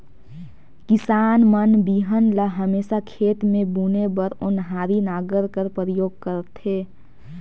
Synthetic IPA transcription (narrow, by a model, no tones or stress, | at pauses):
kɪsaːnmənbiɦənləɦəmeːsakʰeːt̪mẽbunebəɾʊnɦaːɾinaːɡəɾkəɾpəɾəjoːɡ̚kəɾət̪ɦeː